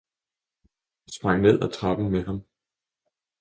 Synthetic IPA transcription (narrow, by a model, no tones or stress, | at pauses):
sb̥ʁɑ̈ŋ̰ne̝ð̞̰ˠɒt͡sʰʁɑ̈b̥n̩meɦɑ̈m